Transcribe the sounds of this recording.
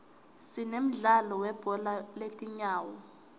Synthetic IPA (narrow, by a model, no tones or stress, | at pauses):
sinem̩ɮalɔwɛb̥ʱɔlaletʼiɲaːwɔ